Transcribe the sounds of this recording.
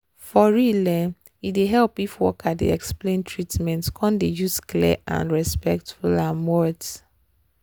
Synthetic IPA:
fɔɹilɛ̃n | ideɦɛlpifwɔ̰kʰadḛɛksplẽntʰɹitmɛ̃ntkʰɔ̃ndejuskliʔã̰nɹɛspɛk̚tfulanwɔd

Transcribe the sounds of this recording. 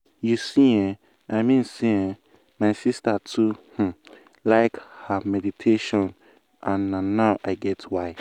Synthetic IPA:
jusĩɛ̃ | aɪmĩnsiɛ̃ | maɪsistatʰuh̩ | laɪkhamɛditʰeʃɔ̃n | ʔãnːãːaʊʔaɪɡɛtʰwaɪ

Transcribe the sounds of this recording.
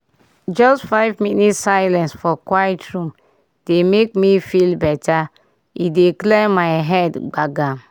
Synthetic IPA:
d͡ʒɔstfaɪvminitsaɪlɛ̃nsfɔkwaɪtɹũm | d̥emek̚mifilbɛtʰa | ideklɛmaɪɦɛdɡ͡baɡa

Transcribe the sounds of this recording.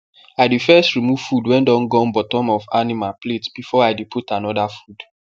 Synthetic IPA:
aɪdifɛstɹimuv̥fudwɛ̃ndɔ̃nɡɔ̃nbɔtɔ̃mɔfanimapletb̥ifɔaɪdepʰutanɔdafud̥

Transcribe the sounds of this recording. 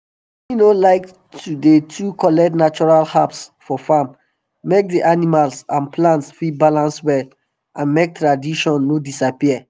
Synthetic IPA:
inolaɪk | tʰudetʰukɔlɛk̚tnat͡ʃɔɹalhapsfɔfamː | ek̚diʔanimalsãnpʰlãntsfibalãnswɛl | ʔãnmek̚tɹadiʃɔ̃nːodisapiə

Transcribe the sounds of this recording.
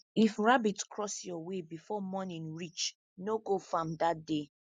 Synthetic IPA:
ifɹabitkʰɹɔsjɔwebifɔmɔnĩnɹit͡ʃ | noɡofãmdat̚de

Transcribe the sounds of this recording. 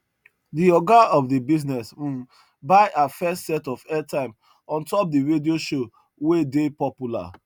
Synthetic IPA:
diɔɡaɔfdibiznɛs̩ | baɪʔafɛstsɛtɔfɛtãɪ̃m | ɔ̃ntɔp̚diɹedioʃo | wedepɔpjula̰

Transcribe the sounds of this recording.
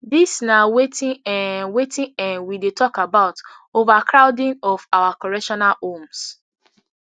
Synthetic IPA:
disnawetʰɪ̃ɛwetɪ̃ɛ̃nwidetʰɔkabaʊtovakʰɾaʊdɪ̃nɔfawakɔɹɛʃɔnalõms

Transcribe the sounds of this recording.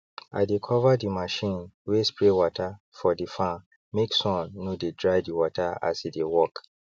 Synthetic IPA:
a̰ɪdekʰɔvadimaʃĩnwespɹewɔtʰa | fɔdifã | meksɔ̃nːodedɹajdiwɔtʰaa̰sidewɔk

